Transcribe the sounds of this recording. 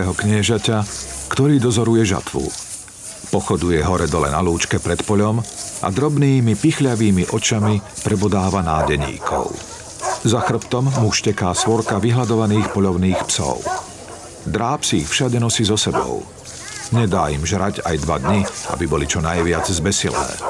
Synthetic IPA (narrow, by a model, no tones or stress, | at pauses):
ɦɔkɲɪɛʒacakt̪ɔɾiːd̪ɔzɔɾujɛʒa̰t̪ʋṵ | pɔxɔd̪ujɛɦɔɾɛd̪ɔlɛ̰na̰luːt͡ʃkɛpɾɛt̪pɔʎɔmʔa̰d̪ɾɔbniːmipixʎaʋiːmiʔɔt͡ʃamipɾɛbɔd̪aːʋanaːɟɛɲḭːkʰɔ̰ʊ | zaxr̩pt̪ɔmːuʃcɛkaːsʋɔɾkaʋiɦlad̪ɔʋaniːxpɔʎɔʊniːxpsɔ̰ʊ | d̪ɾaːpsiːxfʃaɟɛnɔsiːzɔsɛbɔ̰ʊ | ɲɛd̪aːimʒɾaɟa̰jd̪ʋad̪ɲiʔa̰bibɔlit͡ʃɔnajʋɪad͡zzbɛsilɛ̰ː